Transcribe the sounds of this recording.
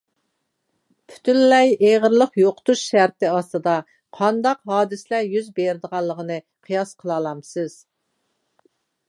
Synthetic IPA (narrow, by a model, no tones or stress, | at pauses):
pʰy̥t̪ylːɛjeʁəɾlˠəqjoqt̪uʃʃæɾt̪ɪɑst̪ɨd̪ɑ | qʰɑnd̪ɑqɦɑːd̪ɨslæjyzbeɾd̪əʁɑlˠːəʁənɨ | qʰijɑsqʰəlˠɑlˠɑmsɨz̥